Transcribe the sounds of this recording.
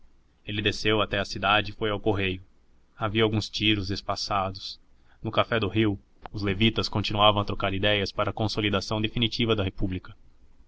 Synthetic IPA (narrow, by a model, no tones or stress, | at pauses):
elɪd̪esewat̪ɛɐsid̪ad͡ʒɪːfojawkoɦejʊ | aviɐawɡũst͡ʃiɾʊzd̪esfasad̪ʊs | nʊkafɛd̪ʊɦiw | ʊzlevit̪ɐskõnt͡ʃinuavɐ̃w̃ɐt̪ɾokaɾid̪ɛjɐspaɾɐkõsolid̪asɐ̃w̃d̪efinit͡ʃivɐd̪ɐɦepublikɐ